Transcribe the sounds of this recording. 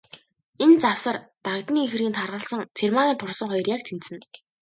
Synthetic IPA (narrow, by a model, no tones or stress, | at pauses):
ent͡saw̥sə̆rt̪akt̪̆niːxɘ̆rɣiːnt̪ʰarʁə̆ɮsə̆ŋt͡sʰermaːɣʲiːnt̪ʰʊrsə̆ŋχɔjɞ̆rjak̚t̪ʰent̪sɘ̆n